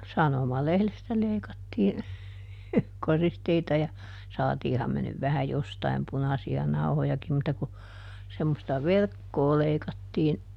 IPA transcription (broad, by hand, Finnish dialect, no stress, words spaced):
sɑnomɑlehlestæ leikɑtːiːn koristeitɑ jɑ sɑːtiːhɑm me nyʋ ʋæhæ jostɑim punɑsiɑ nɑuhojɑkim mutːɑ ku semːostɑ ʋerkːoː leikɑtːiːn